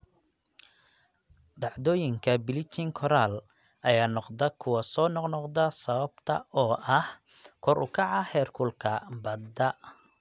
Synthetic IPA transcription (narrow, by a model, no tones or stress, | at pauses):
ɖɑʕd̪ɔːjɪŋkʰɐbɪlɪt͡ʃ̪ʰɪŋkʰɔɾaːl | ɐjaːnɔqd̪ɐkʰʊwɐsɔːnɔqnɔqd̪ɐsɐβɐb̥t̪ʰɐ̰ɔːʔɐh | kʰɔɾʔʊ̰kʰɑʕɑhɛːrkʰʊlkʰɐbɐd̪ɐ